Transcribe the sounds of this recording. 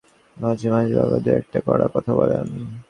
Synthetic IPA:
mãd͡ʑʱimad͡ʑibabad̪eɛk̚ʈakɔɾakɔt̪ʰabɔleani

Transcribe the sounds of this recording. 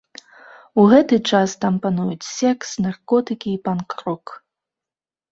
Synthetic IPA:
uɣɛt̪ɨt͡ʂast̪ampanujut͡sʲsʲɛksnarkɔt̪ɨkʲiːpankɾɔk

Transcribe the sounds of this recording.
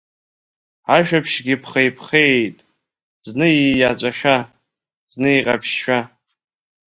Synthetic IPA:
aʃᶣapʰʃɡʲipʰχejpʰχejtʼ | znɨiat͡ʃʷʼaʃᶣa | znɨiqʼa̰pʰʃːa

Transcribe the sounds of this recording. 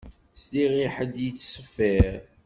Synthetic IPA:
sliʁiħəd̪jət͡sːsəfːæɾ

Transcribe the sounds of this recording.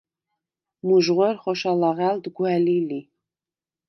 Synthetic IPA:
muʒʁɔɾχɔʃalɑʁæld̪ɡwɛlili

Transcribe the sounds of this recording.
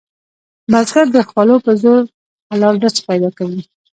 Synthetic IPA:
mazɡaɾd̪əxwalopəzoɾ | alɑlnasə̥pajd̪ɑkawi

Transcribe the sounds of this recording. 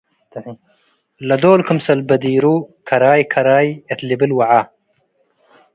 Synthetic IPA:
lɐd̪oːlkəmsɐlbɐd̪iːɾuːkʰɐɾaːjkʰɐɾaːjet̪libilwɐʕaː

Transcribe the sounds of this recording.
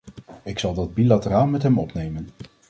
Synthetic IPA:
ɪksɑlˠdɑd̚bilatəraːlˠmɛtɦɛmɔ̰pnejmən

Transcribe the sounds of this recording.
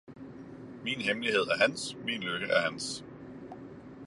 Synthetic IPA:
miːnɦemliɦe̝ð̞̰ˠæɐɦænsminløɡ̥əʔæɐɦæns

